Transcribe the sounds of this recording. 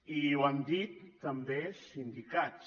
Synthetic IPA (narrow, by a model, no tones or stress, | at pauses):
iwand̪it̪ːambeʃind̪ikat͡ʃ